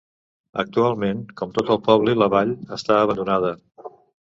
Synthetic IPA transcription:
ə̰k̚t̪ualˠmenkɔmt̪ot̪əlˠpɔβliləβaʎəst̪aəβənd̪unað̞ə

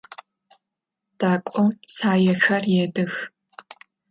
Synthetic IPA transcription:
d̥aːkʷʼɔsaːjɛxɐrjeːdɨx

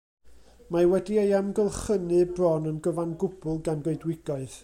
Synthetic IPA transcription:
mawɛdiəjɛmɡəlˠχənɨbrɔnənɡəvanɡʊb̥ʊlˠɡanɡoɨdwɪɡɔɨð

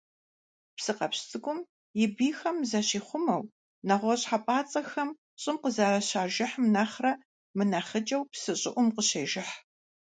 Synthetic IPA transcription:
psɨqɐpst͡sʼɨɡʷʊm | jɪbiːxɐmzɐɕiːχʷʊmɐw | nɐʁʷɔɕħapʼaːt͡sʼɐxɐm | ɕʼɪmqəzaːrɐɕaːʒɪħmnaːχrɐ | mɨnaχət͡ʃʼɐwpsɨɕʼɪʔʷʊmqəɕeːʒɪħ

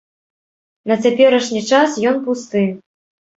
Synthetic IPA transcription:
nɐt͡sʲapʲɛɾɐʂnʲit͡ʂasjɔnpust̪ɨ

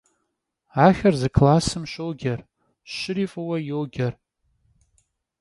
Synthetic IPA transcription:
aχʲarzɨkʰlasɨmʃʷowɡʲar | ʃɨɾifʼawajowɡʲar

